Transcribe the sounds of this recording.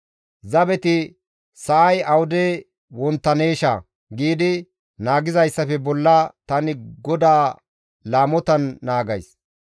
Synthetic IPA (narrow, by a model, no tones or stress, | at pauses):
zɐbɛt̪ɪ | sɐʔɐjɐwʊd̪e | wɔnt̪ːɐneːʃa̰ | ɡiːd̪ɪ | naːɡɪzɐjsːɐfɛbɔlːɐt̪ɐnɪɡɔd̪aː | laːmɔt̪ɐnːaːɡɐ̰js